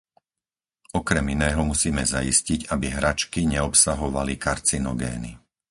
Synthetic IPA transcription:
ɔkɾɛminɛːɦɔmusiːmɛzaḭsciɟabiɦɾat͡ʃkiɲɛɔpsaɦɔʋalikaɾt͡sinɔɡɛ̰ːnḭ

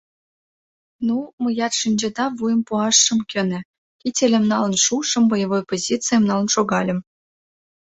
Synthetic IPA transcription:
numə̆jɑt̪ʃinʲd͡ʑĕd̪ɑvujə̆mpuɑʃːɤ̆mkʲɘ̆nɘ̆ | kʲitʲelʲĕmnɑlə̆nʃuʃɤ̆mbɤjɤvojpozʲit͡sɨjəmnɑlˠə̆nʃoɡɑlʲə̆m

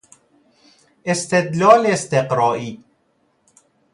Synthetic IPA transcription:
ʔest̪ed̪lɒːleːst̪eqɾɒːʔiː

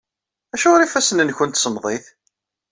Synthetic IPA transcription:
æʃʊʁɾifæsənənçʊnt̪səmðˤeθ

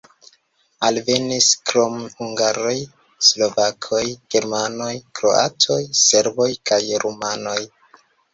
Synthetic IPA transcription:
alve̞niskɾo̞mhuŋɡaɾo̞j | slo̞vakʰo̞jɡ̥e̞ɾmano̞jkɾo̞̰a̰tʰo̞jse̞ɾbo̞jkajɾʔumano̞j

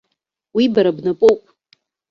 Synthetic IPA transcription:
wibaɾabnapʼowpʼ

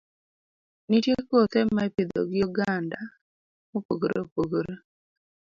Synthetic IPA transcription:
nitjekot̪emaeped̪o̰ɡɪjɔɡanda | mopoɡoɾʔopoɡoɾo

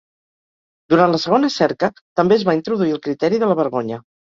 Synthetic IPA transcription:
d̪uɾant̪ləsəɣ̞onəsɛɾkə | t̪əmbeəzβaint̪ɾuðuiəlˠkɾit̪ɛɾiðələβ̞əɾɣoɲə

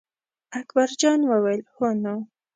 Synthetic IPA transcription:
akbaɾd͡ʒɑnwəwelhono

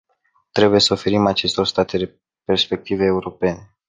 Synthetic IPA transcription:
t̪ɾe̞buje̞səofe̞ɾimat͡ʃe̞st̪o̞rst̪at̪eɾe | pe̞rspe̞k̚t̪ive̞ːuɾo̞pe̞ne̞

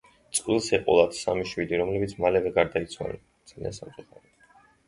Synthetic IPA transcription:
t̪sʼqʼwilˠsɛqʼɔlˠad̪̥samiʃwid̪iɾɔmlɛbit̪sʰmalɛvɛɡaɾd̪ait̪sʰwa̰lɛ̰n | d̪z̥alḭansamt̪ʼuχaɾi

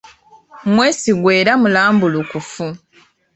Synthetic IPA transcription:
mwe̞ːsiɡwe̞ːɾamulaːmbulukufu

